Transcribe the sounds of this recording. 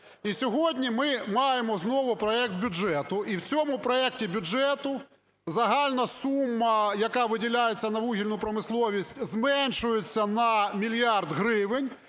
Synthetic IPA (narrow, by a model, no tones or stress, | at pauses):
isʲɔɦɔdʲnʲimɪmɑjemɔznɔʋʊpɾɔɛk̚t̪̚bʲʊd͡ʒɛt̪ʊʔiwt͡sʲɔmʊpɾɔɛktʲibʲʊd͡ʒɛt̪ʊ | zɐɦɑlʲnɐsumːɐjɐkɑʋɪdʲilʲajet͡sʲːɐnɐʋuɦʲilʲnʊpɾɔmɪslˠɔʋʲisʲtʲzmɛnʲʃʊjet͡sʲːɐnɐmʲilʲjɑrd̪ɦɾɪʋɪnʲ